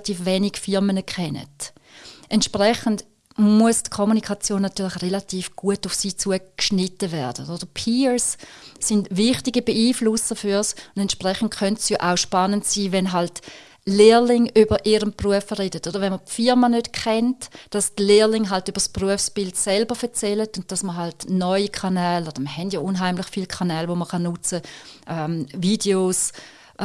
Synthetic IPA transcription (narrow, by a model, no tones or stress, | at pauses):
tiːfʋɛːniɡfɪʁmənəkχɛnə̰t | ʔɛntʃpʁɛχənd | muəstkʰomunikʰɑt͡sjoːnːatyːɐlɪχʁelatiːfɡ̥uətufsiːt͡suəkʃnɪtəvɛɐd̥ə̰od̥əpʰiːɹsːɪndvɪχtiɡəbeiːflʊsəfyɐsʊndɛntʃpʁɛχən̩tkʰœntsjoʔaʊʃpanəntsiːvɛnɦalt | leːlɪŋybəʔiɾəmpʁuəfəʁedətod̥əʁʋɛnməpfɪɐmanøtkʰɛntd̥ɑstleːlɪŋɦaltyb̥əspʁuəfsb̥ɪldsɛlbəfɛɐt͡sɛlətʊnt̚d̥ɑsməɦaltnɔʏikʰanɛːlod̥ɐməɦɛndjɔʔunɦaɪmlɪχfiːlkʰanɛːlʋoməχɑnʊt͡səʔɛːmvideos